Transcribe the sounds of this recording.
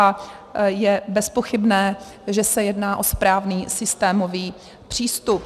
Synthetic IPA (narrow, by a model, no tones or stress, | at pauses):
a | jɛbɛspo̞xɪbnɛː | ʒɛsɛjɛdnaːʔo̞spɾaːvniːsɪst̪ɛːmoviː | pr̝̥iːst̪up